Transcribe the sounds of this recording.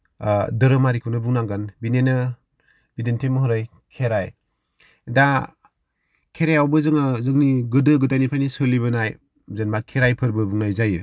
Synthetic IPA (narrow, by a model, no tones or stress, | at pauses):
dɯɾɯmaɾikʰunɯbuŋnaŋɡɯnbinenɯ | b̥identʰemɯɦɯɾɯj | kʰeɾaj | da | kʰeɾajawbɯzɯŋɯzɯŋniɡɯdɯɡɯdajnipʰajnisɯliβɯnaj | zɯnmakʰeɾajpʰɯɾbɯbuŋnajzajɯ